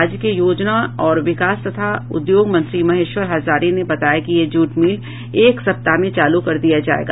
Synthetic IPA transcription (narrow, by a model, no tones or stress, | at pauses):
d͡ʒkejoːd͡ʒnaɔːɾʋɪkaːst̪ɐt̪ʰaʊ̰d̪joːɡmɐ̃nt̪ɾimɐɦeʃʋəɾɦɐzaːɾinebɐt̪aːjakijed͡ʒuːʈmiːl | eːksɐp̚t̪amẽt͡ʃaːlukɐɾd̪ijad͡ʒaːḛːɡaː